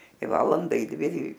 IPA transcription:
ɪ ˈʋɑːlˠɐndɐ ɪ ˈdʲʋʲɪ ɪ

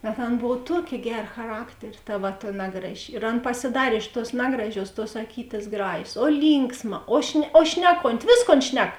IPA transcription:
bʲɛt ˈɐn ˈboːw ˈtuɔkʲeː ˈɡʲæːrɐ xɐˈrɑːktʲɛrʲeː ˈtɐ ʋɐ tɐ ˈnɑːɡrɐˌʒʲɪ ɪr ˈɐn pɐsʲɪˈdɑːrʲeː ɪʃ tuɔs ˈnɑːɡrɐˌʒʲuɔs tuɔs ɐˈkʲiːtʲeːs ˈɡrɑːʒʲeːs oː ˈlʲiːŋksˌmɐ oː ʃʲnʲɛ oː ˈʃʲnʲæːˌkoːnʲtʲɪ ˈʋʲeːsˌkoːn ˈʃʲnʲɛk

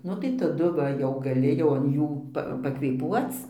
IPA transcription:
ˈnʊ tɐɪ tɐˈdʊ ˈʋɐ ˈjɛʊ ɡɐˈlʲɪ jɛʊ ɐn ˈjuː ˈpɐ pɐkʋʲeːˈpuɔt͡s

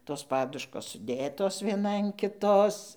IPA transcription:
ˈtoːs ˈpɑːdʊʃkoːs sʊˈdʲeːtoːs ʋʲiɛˈnɐ ɐn kʲɪˈtoːs

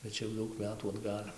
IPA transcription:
bʲɛt ˈt͡ʃʲɛ jɛʊ ˈdɐʊk ˈmʲæːtuː ɐdˈɡɐlʲ

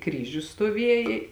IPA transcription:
ˈkrʲiːʒʲʊs stoːˈʋʲiɛjɛ

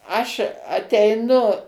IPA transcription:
ˈɐʃ ɐtʲɛɪˈnʊ

